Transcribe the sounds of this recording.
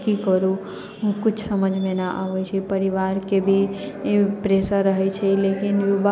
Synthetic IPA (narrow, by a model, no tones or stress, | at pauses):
kikəɾu | ɦũkut͡ʃʰsəməd͡ʒʱmenaʔa̰ʋɛt͡ʃʰipəɾiʋaɾkebʱi | pɾesaɾəɦɛt͡ʃʰɛlekinjuba